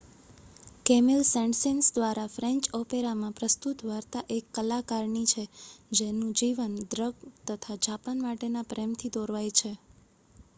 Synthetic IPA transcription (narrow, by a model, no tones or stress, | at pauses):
kemilsɛ̃ɳɖsinsd̪ʋaɾafɾɛ̃ɲt͡ʃɔpeɾamãpɾəst̪ut̪ʋaɾt̪aʔekːəlakaɾɳit͡ʃʰed͡ʒenũd͡ʒiʋənd̪ɾəɡt̪ət̪ʰad͡ʒapanmaʈenapɾemt̪ʰid̪ɔɾʋajt͡ʃʰe